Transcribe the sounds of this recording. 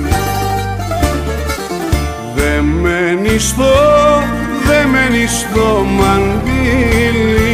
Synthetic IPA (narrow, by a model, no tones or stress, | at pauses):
ðemenisðo | ðemenisðomandili